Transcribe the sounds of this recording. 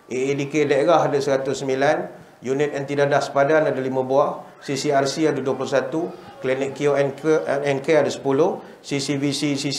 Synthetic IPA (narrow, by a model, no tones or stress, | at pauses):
ʔeedikedaɾaɦadasəɾat̪ʊssəmbilan | junɪt̪̚ɛnt̪idadahsə̥padanadalimə̃buah | sisiarsiadəduəplʊsat̪u | klinɪkːioɛnɛnkeadəsə̥pulʊh | sisivisisi